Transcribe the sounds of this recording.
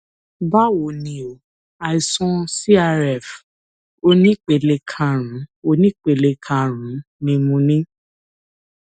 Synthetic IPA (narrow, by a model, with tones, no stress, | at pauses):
ba˦wo˨nĩ˧o˨ | a˨i˨sɔ̃˧si˦a˧ɾɛ˨f | o˧˦nĩ˦k͡pe˨le˧kʰã˧ɾ̃ũ˨˦o˧˦nĩ˦k͡pe˨le˧kʰã˧˨ɾ̃ũ˨˦nĩ˧mũ˧nĩ˦